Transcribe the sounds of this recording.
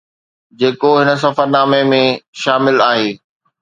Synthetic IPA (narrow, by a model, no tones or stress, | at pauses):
d͡ʑeːkoɦɪnə̆s̬ɐfəɾnaːmemẽʃaːmɪlaːɦeː